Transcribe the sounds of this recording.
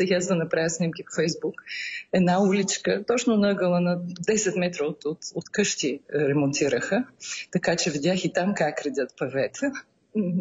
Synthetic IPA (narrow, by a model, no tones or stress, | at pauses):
sɛɡʲazd̪ɐnɐpɾajəsnʲimkʲiffɛjzbukɛd̪naulʲit͡ʃkət̪ɔt͡ʃnonəɡəlˠənɐd̪ɛsɛt̪mɛt̪ɾoot̪ot̪ot̪kɤʃt̪iɾɛmont̪iɾəxət̪ɐkat͡ʃɛvid̪ʲaxit̪amkakɾɐd̪ʲət̪pɐvɛt̪ʰɛ | m̩